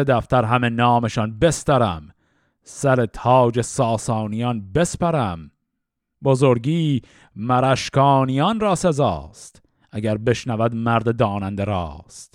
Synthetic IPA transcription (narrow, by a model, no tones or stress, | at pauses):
ed̪æft̪æɾɦæmenɒːme̞ʃɒnbe̞st̪æɾæm | sæɾet̪ʰɒːd͡ʒesɒːsɒːnijɒːnbe̞spæɾæm | bozoɾɡiː | mæɾæʃkʰɒːnijɒnrɒːsezɒ̰ːst̪ | æɡæɾbe̞ʃnævæd̪mæɾd̪ed̪ɒːnænd̪eɾɒ̰ːst̪